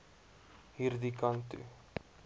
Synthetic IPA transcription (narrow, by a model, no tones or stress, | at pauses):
hiɾd̪ikant̪y̰